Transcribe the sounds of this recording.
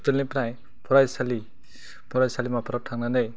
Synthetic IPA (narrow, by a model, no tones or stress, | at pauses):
t̪ɯlnipɾaj | pʰɔɾajsali | pʰɔɾajsalimapʰɔɾɔp̚tʰaŋnanej